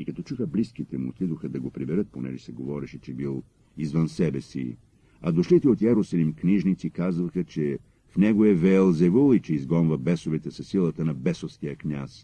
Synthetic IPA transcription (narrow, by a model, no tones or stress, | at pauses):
ikɐt̪ɔt͡ʃuxəblisk̟it̪ɛmuo̰t̪id̪oxəd̪ɐɡopɾibɛɾət̪̚ponɛ̰ʒɛsɛɡovɔɾɛʃɛt͡ʃɛbilˠ | izvənsɛbɛsḭ | ɐd̪oʃlit̪ɛot̪ɛɾosɐlimkniʒnit̪sikazvɐxət͡ʃɛ | fnɛɡoɛvɛːlˠzɛvulˠit͡ʃɛizɡɔnvɐbɛsovɛt̪ɛsɐsilˠət̪ənɐbɛsofsk̪ijəknʲas